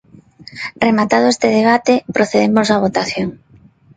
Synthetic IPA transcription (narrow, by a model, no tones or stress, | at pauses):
remat̪að̞oʊest̪eðeβ̞at̪epɾoθeðemozaβ̞ot̪aθjoŋ